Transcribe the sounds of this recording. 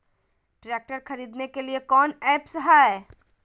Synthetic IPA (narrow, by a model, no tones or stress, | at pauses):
ʈɾɛːk̚ʈəɾxɐɾiːd̪nekeliekɔːnɛːpsɐɦaːɛ